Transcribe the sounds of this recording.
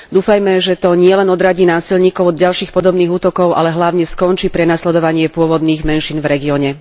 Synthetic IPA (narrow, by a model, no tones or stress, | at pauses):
d̪uːfajmɛʒɛt̪ɔɲɪɛlɛnɔd̪ɾaɟiːnaːsilɲiːkɔʊɔd̪ɟalʃiːxpɔd̪ɔbniːɣuːt̪ɔkɔʊa̰lɛɦlaʊɲɛskɔnt͡ʃiːpɾɛnaslɛd̪ɔʋaɲɪɛpʊɔʋɔd̪niːɣmɛnʃiːnvɾɛɡiɔɲɛ